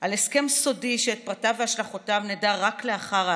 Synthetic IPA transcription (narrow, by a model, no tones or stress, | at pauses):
ʔale̞ske̞mso̞diʃeet̚pʁatavehaʃlaχotavnedaʁakle̞aχaʁa